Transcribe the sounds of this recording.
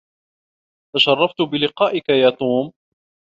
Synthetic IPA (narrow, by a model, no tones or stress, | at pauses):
t̪aʃɑrˤːɑft̪ʊbɪlɪqɑːʔɪkajaːt̪ˤuːm